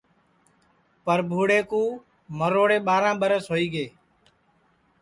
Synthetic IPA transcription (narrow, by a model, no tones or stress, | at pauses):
pəɾbʱuːɽeːkũː | məɾoːɽeːɓaːɾãːɓəɾəsɦoːiːɡeː